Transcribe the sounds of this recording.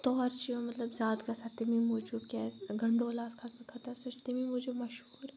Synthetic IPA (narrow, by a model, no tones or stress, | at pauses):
t̪ɔːɾt͡ʃiomɐt̪ləbzaːd̪kasɐt̪emimʊd͡ʒubkɛːsɡʱɐɳɖoːlaːskʰat̪mekʰɐt̪ɐɾsʊʃt̪emimud͡ʒumɐʃɦuːɾɛ